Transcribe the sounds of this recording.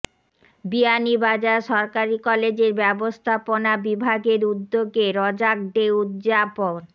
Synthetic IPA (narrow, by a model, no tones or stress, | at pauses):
bianibad͡ʑaɾʃɔɾkaɾikɔled͡ʑeɾbɛbost̪ʰaponabibʱaɡeɾud̪ːoɡeɾɔd͡ʑak̚ɖeud̪d͡ʑapoɾ